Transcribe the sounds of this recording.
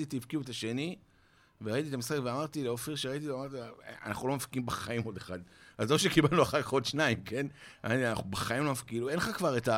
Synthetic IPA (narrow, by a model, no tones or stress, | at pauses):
it̪iifkiuetaʃe̞ni | veʁait̪̬iet̪amisχakveamaʁt̪ileofeʁʃeʁait̪̬ieamaʁt̪ia̰na̰χnulo̞mafkiimbeχaimo̞deχadazoʃekibalnuaχakaχo̞d̪ʃnaimke̞na̰tiana̰χubaχaimlo̞mafkiluenχakvaʁeta